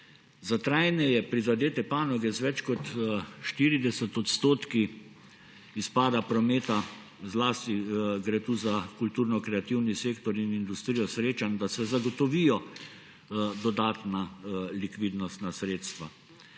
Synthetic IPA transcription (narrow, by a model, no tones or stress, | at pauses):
zat̪ɾajnɛjɛpɾizad̪eːt̪ɛpaːnɔɡɛzʋɛt͡ʃkɔt̪ʃt̪iːɾid̪ɛsɛt̪ɔt̪st̪oːt̪ki | ispaːd̪apɾɔmeːt̪a | zlaːst̪iɡɾet̪uzakult̪uːɾnɔkɾɛat̪iwniseːkt̪ɔɾinind̪ust̪ɾijɔsɾeːt͡ʃand̪asɛzaɡɔt̪ɔʋiːjɔ | d̪ɔd̪aːt̪nalikʋiːd̪nɔst̪nasɾeːt̪st̪ʋa